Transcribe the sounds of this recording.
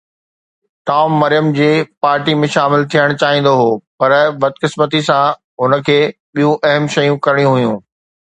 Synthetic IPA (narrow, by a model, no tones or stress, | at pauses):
ʈaːmːɐɾijəmd͡ʑeːpaːɾʈimẽʃaːmɪlt̪ʰijəɽ̃t͡ɕaːɦĩːn̆d̪oɦoːpɐɾbɐd̪kɪsmət̪isã | ɦʊnə̆kʰeːɓijũʔɐɦəmʃɐjũkɐɾɪɽijũɦʊjũː